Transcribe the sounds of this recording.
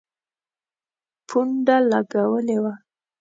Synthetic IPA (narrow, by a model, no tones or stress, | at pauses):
pʰuɳɖalaɡawəlewa